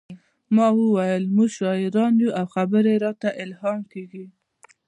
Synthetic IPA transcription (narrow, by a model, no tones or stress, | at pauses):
mɑwəwajəlmuɡʃɑɪɾɑnjuʔawxabəɾeɾɑt̪aʔɪlhɑmkeɡi